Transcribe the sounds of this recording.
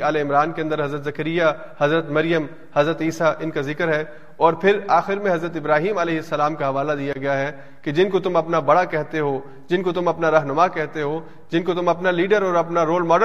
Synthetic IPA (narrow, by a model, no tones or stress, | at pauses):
aːleɪmɾaːnkẽɐ̃nd̪əɾɦɐzɾət̪zɐkəɾɪja | hɐzɾət̪mɐɾɪjəm | hɐzɾət̪iːsaʔɪnkazɪkəɾɦɛː | ɔːɾpʰɪɾaːxɪɾmẽɦɐzɾət̪ɪbɾaːɦiːmɐleːɦɪsːɐlaːmkaɦɐʋaːlad̪ijaɡɐjaɦɛ | ked͡ʒɪnkot̪ʊmɐpnabɐɽakɛɦt̪eɦo | d͡ʒɪnkot̪ʊmɐpnaɾɐɦnʊmakɛɦt̪eɦoː | d͡ʒɪnkot̪ʊmɐpnaliːɖəɾɔːɾɐpnaɾoːlmɔːɖ